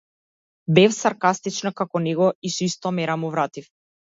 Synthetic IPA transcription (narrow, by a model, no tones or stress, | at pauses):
bɛfsaɾkast̪it͡ʃnakakɔnɛɡɔisɔist̪ɔmɛɾamuvɾat̪if